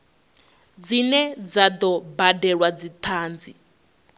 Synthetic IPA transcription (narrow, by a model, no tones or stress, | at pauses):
d͡zinɛd͡zad̪ɔbadɛɺwad͡zit̪ʰaːnd͡zi